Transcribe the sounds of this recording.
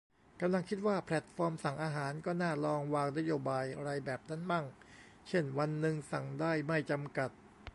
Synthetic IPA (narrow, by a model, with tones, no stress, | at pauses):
ka˧mla˧ŋkʰi˦˥t̪̚waː˥˩pʰlɛ˨˩t̪̚fɔː˧msa˨˩ŋʔaː˧ɦaː˩˦nkɔː˥˩naː˥˩lɔː˧ŋwaː˧ŋna˦˥joː˧baː˧jʔa˧ɾa˧jbɛː˨˩p̚na˦˥˩nma˥˩ŋ | t͡ɕʰe˥˩nwa˧nːɯ˧ŋsa˨˩ŋdaː˥˩jma˥˩jt͡ɕa˧mka˨˩t̪̚